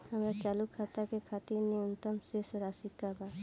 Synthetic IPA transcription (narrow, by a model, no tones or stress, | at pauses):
hamɾat͡ʃalukʰat̪akekʰat̪iɾniunt̪ɔmsesɔɾasikːaba